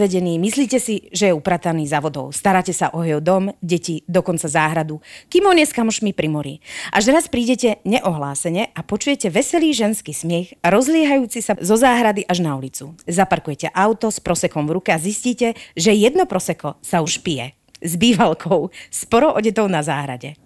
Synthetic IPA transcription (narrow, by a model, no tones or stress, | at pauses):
ʋɛɟɛniːmisliːcɛsiʒɛjɛupɾaːt̪aniːzaʋɔd̪ɔ̰ʊst̪aɾaːcɛsaʔɔɦɛɔd̪ɔmɟɛcid̪ɔkɔnt͡sazaːɦɾad̪ukimɔɲɛskamɔʃmipɾimɔɾḭʔaʒɾaspɾiːɟɛcɛɲɛʔɔɦlaːsɛɲɛʔapɔt͡ʃujɛcɛʋɛsɛliːʒɛnskiːsmɪɛxɾɔzlɪɛɦajuːt͡sisazɔzaːɦɾad̪iʔaʒnaulit͡suzapaɾkujɛcɛʔaʊt̪ɔspɾɔsɛkɔmvɾukɛazisciːcɛʒɛjɛd̪nɔpɾɔsɛkɔsauʃpijɛ̰ | zbiːʋalkʰɔʊspɔɾɔʔɔɟɛt̪ɔʊnazaːɦɾa̰ɟɛ